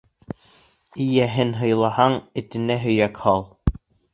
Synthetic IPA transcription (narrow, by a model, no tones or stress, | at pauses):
ɘjæɦɘnɦɤ̆jlˠɑhɑŋɘ̆t̪ɘ̆næɦɵ̆jækhɑlˠ